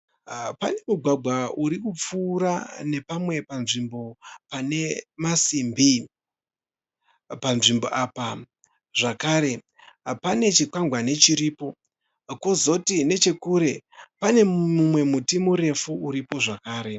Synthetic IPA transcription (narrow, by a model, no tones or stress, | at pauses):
pane̞muɡʱwaɡʱwauɾikup͡fuːɾane̞pamwe̞panʐimbo̞pane̞masimbi | panʐimboʔaːpa | ʐ̥akaːɾe̞ | pane̞t͡ʃikaŋɡʱwane̞t͡ʃiɾiːpo̞ | ko̞zo̞tine̞t͡ʃe̞kuɾe̞pane̞mumwe̞mutimuɾe̞fuuɾipo̞ʐakaːɾe̞